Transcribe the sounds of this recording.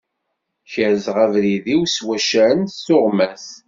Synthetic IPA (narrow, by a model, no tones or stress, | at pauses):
çəɾzʁævɾiðiwswæʃæɾənːʊʁmæs